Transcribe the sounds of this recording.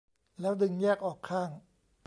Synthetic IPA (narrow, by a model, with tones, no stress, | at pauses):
lɛː˦˥wdɯ˧ŋjɛː˥˩k̚ʔɔː˨˩kʰaː˥˩ŋ